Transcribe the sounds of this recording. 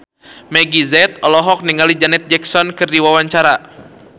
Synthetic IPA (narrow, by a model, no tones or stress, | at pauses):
mɛɡizɛt̪̚ɔlɔɦɔk̚niŋalid͡ʒanɛt̪̚d͡ʒɛksɔnkɨrdiwawaɲt͡ʃaɾa